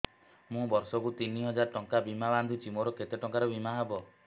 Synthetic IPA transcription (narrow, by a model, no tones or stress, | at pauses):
mũbɔɾsɔkut̪iniɦɔd͡ʒaɾʈɔŋkabimaband̪ʱit͡ʃʰimoɾɔket̪eʈɔŋkaɾɔbimaɦabɔ